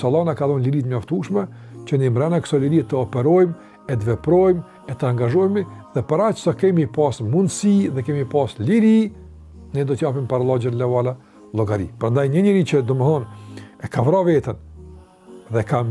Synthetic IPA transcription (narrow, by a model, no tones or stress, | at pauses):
salˠɔnakaðɔnliɾit̪əɲɔft̪uʃmɛt͡ʃənimɾɛnakə̥sɔliɾiɛt̪əɔpɛɾɔjm | ɛt̪əvɛpɾɔjm | ɛt̪əaŋɡaʒɔjmiðɛpaɾat͡ʃə̥sakɛmipasmund̪siðɛkɛmipasliɾi | nɛd̪ɔt̪japimpaɾalˠɔd͡ʒɛnlɛvala | lˠɔɡaɾḭpəɾand̪ajɲəɲəɾit͡ʃəd̪ɔməθɔnɛkavɾavɛt̪ən | ðɛkam